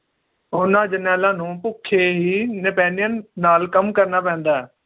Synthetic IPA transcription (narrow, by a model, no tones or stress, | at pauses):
ʊnãːd͡ʒənɛːlãːnũːpʊkʰːeːɦiːnɪpɛ̃ːnɪjənːaːlkəmkəɾnaːpɛ̃ːnd̪aːɛː